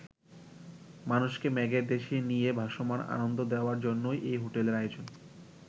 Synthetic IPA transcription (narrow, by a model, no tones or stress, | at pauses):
manuʃkemɛɡeɾd̪eʃienijebʱaʃomana̰nond̪od̪eoaɾd͡ʑonːojʔejɦoʈeleɾajod͡ʑon